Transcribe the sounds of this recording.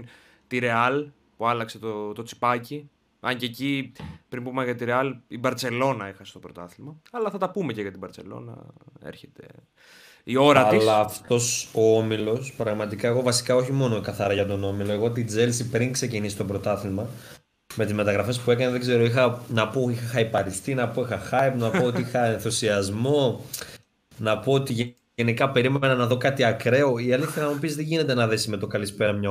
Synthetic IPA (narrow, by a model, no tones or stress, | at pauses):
n | t̪iɾe̞ɐl | puɐlɐkse̞t̪ot̪o̞t͡si̥pɐci | ɐ̰ɲcecipɾimpumɐʝɐt̪iɾeɐlibɐɾt͡se̞lo̞nɐexɐse̥t̪o̞bɾo̞̰t̪ɐθilmɐɐlɐθɐt̪ɐpume̞ceʝɐt̪ibɐɾt͡se̞̰lo̞̰nɐ̰ḛɾçe̞t̪e̞̰ | io̞ɾɐtɐilsɐːft̪o̞soomilo̞spɾɐɣmɐt̪ikɐeɣo̞vɐsi̥kɐo̞çimo̞no̞ekɐθɐɾɐʝɐt̪o̞no̞miloe̞ɣoot̪iːd͡zelsipɾiŋkse̞cinisit̪o̞bɾo̞t̪ɐθilmɐ | me̞t̪izme̞t̪ɐɣɾɐfe̞spue̞kɐneðe̞ɡze̞ɾo̞ixɐnɐpoixxɐipɐɾist̪inɐpo̞ixɐxɐipnɐpoot̪iixɐenθusiɐzmo̞ | nɐpoot̪iʝ | enikɐpe̞ɾimee̞nɐnɐðo̞kɐt̪iɐkɾe̞o̞iɐliθçɐnɐmupizðeʝine̞t̪e̞nɐðe̞sime̞t̪o̞kɐlispe̞ɾɐmɲɐ